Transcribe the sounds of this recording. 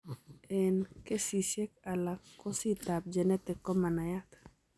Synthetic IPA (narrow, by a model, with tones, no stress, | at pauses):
ɛnke˦si˨ʃɛ˦ka˨lakːɔ˦si˦t̪ap̚d͡ʒɛ˨nɛ˦t̪ɛ˨kːɔ˦ma˨na˨jat̪